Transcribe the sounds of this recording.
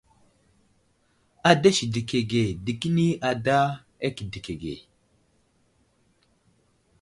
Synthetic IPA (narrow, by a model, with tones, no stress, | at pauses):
a˨da˦ʃi˨di˨ke˨ɡe˨di˨ki˦ni˦ʔa˨da˦ | e˦ki˨di˨ke˨ɡḛ˨